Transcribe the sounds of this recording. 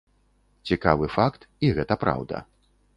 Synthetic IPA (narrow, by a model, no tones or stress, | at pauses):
t͡sʲikavɨfakt̪ | iɣɛt̪ɐpɾa̰wd̪ɐ̰